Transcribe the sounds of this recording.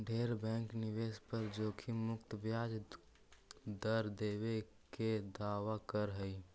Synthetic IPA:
ɖʱeɾbɛ̃ŋkniʋespəɾd͡ʒoːkʰimʊkt̪bjad͡ʒ | d̪əɾd̪ebe | ked̪aʋakəɾɦəj

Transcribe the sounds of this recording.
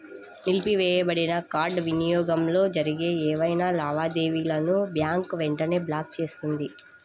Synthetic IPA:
nilpiʋɛːjɐbɐɽinɐkaːɾɖʋinijɔːɡɐmlo̞ːd͡ʒɐɾiɡeːɛːʋɐjnaːlaːʋaːd̪eːʋiːlɐnubjaːŋkʋɛɳʈɐne̞ːblaːk̚t͡ʃe̞ːsu̥t̪und̪i

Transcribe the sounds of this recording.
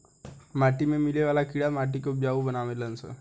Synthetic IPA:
maʈimemileʋalakiɽamaʈ̬ikop̚d͡ʑaʋubənaʋeləənsə̰

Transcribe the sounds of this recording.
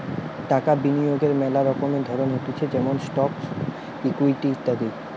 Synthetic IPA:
ʈakabinijoɡeɾmɛlaɾɔkomed̪ʱɔɾonɦeʈut͡ɕʰed͡ʑɛmonsʈɔk | ikuiʈit̪aɾi

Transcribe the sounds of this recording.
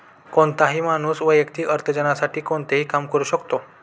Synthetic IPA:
koɳt̪aɦiːmañuːsʋəjəkt̪ʰiːʔəɾt̪ʰəd͡ʑənasaʈiːkoɳt̪eɦiːkamkəɾuːɕəkt̪o

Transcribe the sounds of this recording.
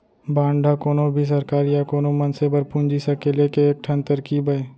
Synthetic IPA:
bãːɳɖʱakoːnobʱis̬ɐɾkaːɾjakoːnomɐnsebəɾpũnd͡ʒisɐkelekeːk̚ʈʰə̃nt̪əɾkibɐe

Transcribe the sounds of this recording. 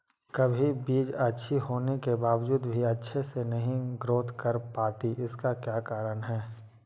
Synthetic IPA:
kɐbʱibiːd͡ʒɐtːʃʰiɦoːnekebaːʋd͡ʒuːd̪bʱiɐtːʃʰesenɐɦĩɡɾoːt̪ʰkɐɾpaːt̪iʔɪskakjaːkaːɾənɦɛː

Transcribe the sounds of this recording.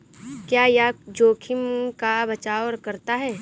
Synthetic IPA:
kjaːjad͡ʒoːkʰɪmkabɐt͡ʃaːɔːɾkɐɾt̪aɦɛː

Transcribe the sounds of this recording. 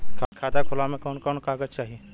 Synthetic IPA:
kʰkʰaːt̪akʰʊlamẽkɔːnkɔːnkaːɡət͡ʃaːɦie

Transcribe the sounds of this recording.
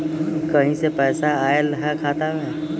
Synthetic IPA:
kɐɦĩsepɛːsaaːelɐɦɛkʰaːt̪aɦɛː

